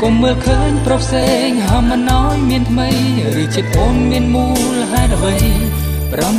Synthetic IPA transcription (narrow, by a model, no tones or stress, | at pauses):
komːəːlkʰəːɲprɑpʰseːŋɦaːmɨnʔaɔjmiənt̪ʰməj | rɨːt͡ɕiət̪̚ʔoːnmiənmuː | lɦaɛt̪ʔəʋəj | prɑm